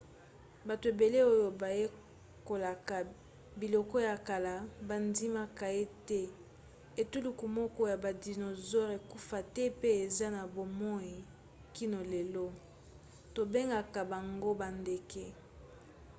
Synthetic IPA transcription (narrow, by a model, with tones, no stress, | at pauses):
ba˨to˨e˨be˨le˦o˦jo˨ba˨je˦ | ko˨la˨ka˨ | bi˨lɔ˨kɔ˦ja˨ka˨la˨ba˨ndi˦ma˦ka˨e˦tɛ˦ | e˨tu˦lu˨ku˨mɔ˦kɔ˦ja˨ba˨di˨no˨zɔ˦ʁe˨ku˦fa˨tɛ˦pe˦e˨za˦na˨bo˨mɔ˦ji˨ | ki˦no˨le˨lo˦ | to˨be˦ŋɡa˨ka˨ba˨ŋɡo˦ba˨nde˨kɛ˦